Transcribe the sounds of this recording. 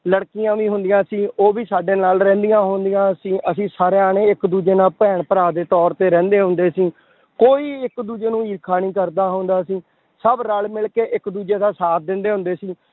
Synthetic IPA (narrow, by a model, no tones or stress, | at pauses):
ləɽkijãːʋĩːɦʊnd̪ɪjãːsiːoːʋiːsaːɖeːnaːlɾɛ̃ːnd̪ijãːɦoːnd̪ijãːsĩːʔəsĩːsaːɾeːaːneːɪkd̪uːd͡ʒeːnaːlpɛːɳpəɾaːd̪eːt̪ɔːɾt̪eːɾɛ̃ːnd̪eːɦʊ̃nd̪eːsĩː | koːiːɪkd̪uːd͡ʒeːnũːiːɾkʰaːnĩːkəɾd̪aːɦoːnd̪aːsĩː | səbɾəlmɪlkeːʔɪkd̪uːd͡ʒeːd̪aːsaːt̪̚ʰd̪ɪnd̪eːɦʊ̃nd̪eːsiː